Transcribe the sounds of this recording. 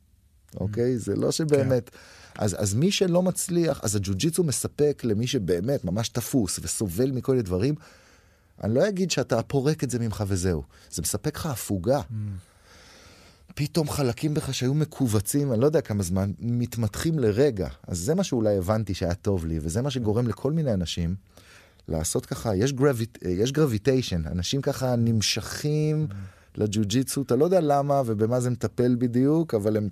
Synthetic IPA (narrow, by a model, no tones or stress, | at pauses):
ʔo̞̰ke̞jzḛlo̞̰ʃe̞be̞ːme̞tʔa̰za̰zmiʃe̞lo̞mat͡sliaχa̰zad͡ʒud͡ʒit͡shume̞sape̞kle̞miʃebe̞ːme̞tmamaʃtafusveso̞ve̞lmikolminedvaʁim | ʔa̰nilo̞jaɡid̪ʃeatapo̞ʁe̞ketze̞mimχave̞ze̞ṵ | z̥emesapekχaːfuɡa | pito̞mχalakimbeχaʃeajume̞kʰuvat͡simanilod̪eakamazmanmit̪mat̪χimle̞ʁe̞ɡa̰a̰zːe̞maʃeulajevantiʃeajato̞vliveze̞maʃ̬e̞ɡo̞ʁe̞mle̞kʰo̞lminejanaʃim | lʔa̰ːso̞tkaχajeʃ̬ɡʁavijeʃ̬ɡʁavitejʃena̰naʃimkaχanimʃaχim | lʔad͡ʒud͡ʒit͡sutalo̞d̪ealamave̞be̞maze̞met̪ape̞lbid̪ijukavale̞m